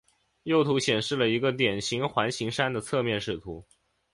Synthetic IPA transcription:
jo˥˩ʊt̪ʰu˧˥ɕjɛ˨˩nʂɻ̩˥˩lə˩i˧˥ɡə˧t̪jɛ˨˩nɕi˧˥ŋxwa˧˥nɕi˧˥ŋʂa˥nd̪ə˨t͡sʰɤ˥˧mjɛ˥˧nʂɻ̩˥˩t̪ʰu˧˥

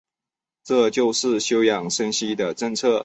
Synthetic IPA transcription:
ʈ͡ʂɤ˥˧t͡ɕjo˥˧ʊʂɻ̩˥˩ɕjo˥ʊjɑ˨˩ŋʂə˥nɕi˥d̪ə˨ʈ͡ʂə˥˧ŋt͡sʰɤ˥˩

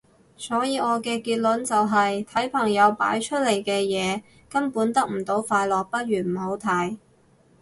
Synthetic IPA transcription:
sɔː˨˥jiː˨˧ɔː˨˧kɛː˧kiː˧t̚lɵ˨˥nt͡sɐ˨wɦɐ˨jt̪ʰɐ˨˥jpʰɐ˨˩ŋjɐ˨˧wpa̰ː˨˥jt͡ʃʰɵ˥t̚le˨˩jkɛː˧jɛː˨˧ | kɐ˥npuː˨˥nt̪ɐ˥k̚m̩˨˩t̪o˨˥wfaː˧jlɔː˨k̚pɐ˥t̚ɥyː˨˩m̩˨˩ho˨˥wt̪ʰɐ˨˥j

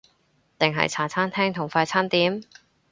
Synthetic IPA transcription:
t̪ɪ˨ŋɦɐ̰˨jt͡sʰaː˨˩t͡sʰaː˥nt̪ʰɛː˥ŋt̪ʰʊ˨˩ŋfaː˧jt͡sʰaː˥nt̪iː˨˥m

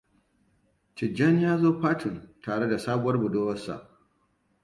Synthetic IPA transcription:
t͡ʃɪ˨d͡ʒɐ˦njaː˦zoː˦ɸaː˦tʰɪ˨ntaː˨ɽe˦da˨saː˦bʊ˦wɐ˦rbʊ˨doː˦wɐ˦sa̰˨ʔ

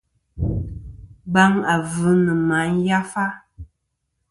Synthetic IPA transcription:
ba˦ŋa˨vɨ˨˦nɨ˨ma˨˦n̩˦ja˦fa˦

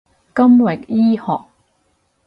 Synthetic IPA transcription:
kɐ˥mwɪ˨˩k̚jiː˥hɔː˨k̚

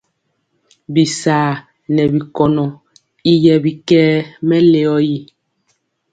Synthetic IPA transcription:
bi˨saː˨ | nɛ˨bi˨kɔ˨nɔ˨ | i˦jɛ˨bi˨kɛː˦mɛ˦le˨ɔ˦ji˦

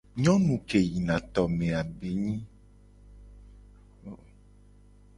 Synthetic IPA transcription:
ɲɔ̃˦nũ˨ke˨ji˨nã˨t̪ɔ˨mẽ˨a˨be˨˦ɲĩ˦˨

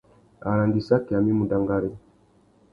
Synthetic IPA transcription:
a˨ɾa˨ŋɡi˨sa˦kɛ˨a˨mi˦mu˨da˨ŋɡa˨ɾɛ˦

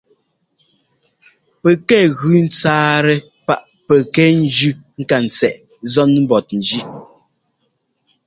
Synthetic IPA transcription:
pɛ˨kɛ˦˨ɣʉ˨n̩˦t͡saː˦ɾɛ˦ | pa˦˨ʔ | pɛ˨kɛ˦n̩˦d͡ʒʉ˦ŋ̩˦ka˨n̩˨t͡sɛ˨ʔ | zɔ˦n˦m̩˦bɔ˨t̚n̩˨d͡ʒi˦

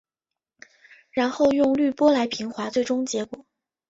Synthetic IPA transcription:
ɻa˧˥nxo˥˧ʊjʊ˥˧ŋly˥˩pwɔ˥la˧˥ɪpʰi˧˥ŋxwa˧˥t͡swe˥˩ɪʈ͡ʂʊ˥ŋt͡ɕjɛ˧˥kwɔ˨˩˦

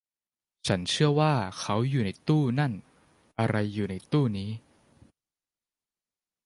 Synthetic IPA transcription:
t͡ɕʰa˦˥nt͡ɕʰɯ˥˩ɐwaː˥˩kʰa˦˥wjuː˨˩na˧˥jt̪uː˥˩na˥˩n | ʔa˧ɾa˧jːuː˨˩na˧jt̪uː˥˩niː˦˥

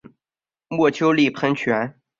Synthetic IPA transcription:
mwɔ˥˩t͡ɕʰjo˥ʊli˥˩pʰə˥nt͡ɕʰɥɛ˧˥n

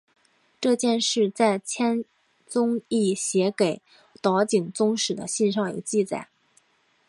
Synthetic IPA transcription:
ʈ͡ʂɤ˥˧t͡ɕjɛ˥˧nʂɻ̩˥˧t͡sa˥˩ɪt͡ɕʰjɛ˥n | t͡sʊ˥ŋi˥˩ɕjɛ˧˥ke˨˩ɪ | t̪ɑ˧˥ʊt͡ɕi˨˩ŋt͡sʊ˥ŋʂɻ̩˨˩d̪ə̰˦ɕi˥˧nʂɑ˥˩ŋjo̰˨˩t͡ɕi˥˩t͡sa̰˨˩˦ɪ

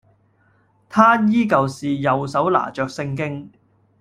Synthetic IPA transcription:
t̪ʰaː˥jiː˥kɐ˨wsiː˨jɐ˨wsɐ˨˥wla̰ː˨˩t͡ʃœː˨k̚sɪ˧ŋkɪ˥ŋ

